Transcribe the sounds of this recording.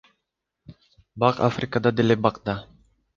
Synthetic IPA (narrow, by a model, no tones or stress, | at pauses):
bɑqa̰frʲɪkad̪ɑd̪elebɑqd̪ɑ